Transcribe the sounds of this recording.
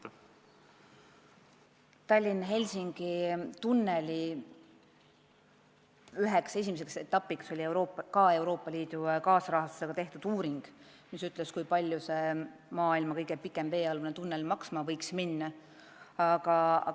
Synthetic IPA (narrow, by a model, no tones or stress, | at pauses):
t̪ɑlʲːinɦe̞lʲsiŋɡ̥it̪unːe̞lʲi | yɦekse̞s̬ʲimise̞kse̞t̪ːɑpːˑikso̞lʲiewɾoːpkɑe̞wɾo̞ːpːˑɑliːd̪̥ukɑːsɾɑhɑst̪useɡɑt̪e̞ht̪ud̪̥uːɾiŋɡ̥ | misyt̪ˑleskujpɑlʲːjuse̞mɑːilmɑkɤjɡ̥epikːˑe̞mve̞ːɑlvunet̪unːelmɑksmɑvɤjksminːɑ | ɑɡ̥ɑ̰